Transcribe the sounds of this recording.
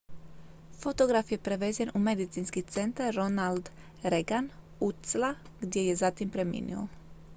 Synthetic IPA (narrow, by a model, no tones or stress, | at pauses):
fot̪oɡɾafjepɾeʋeːzjenʔumed̪it̪sinskit̪sent̪aɾːonald̪ | ɾeɡan | ut̪sla | ɡd̪jejezat̪impɾemḭnḭo̰